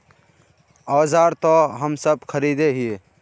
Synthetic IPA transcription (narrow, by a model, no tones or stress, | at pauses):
aːzaɾt̪ɔɦəmsəbkʰəɾid̪eɦie